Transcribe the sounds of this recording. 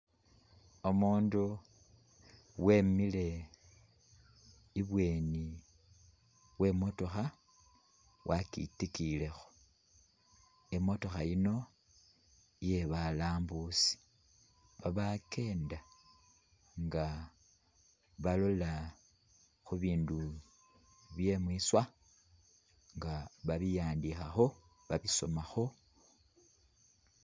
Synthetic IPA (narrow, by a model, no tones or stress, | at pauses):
o̞muːndu | we̞mile̞ | iβwe̞ːni | we̞mo̞to̞xa | wʔakḭtikile̞xo | e̞mo̞to̞xajino̞ | je̞βalaːmbusi̥ | βaβake̞ːnda | ŋɡa | βalo̞la | xuβiːndu | βje̞mwiːswa | ŋɡaβaβijaːndixaxo̞ | βaβiso̞maxo̞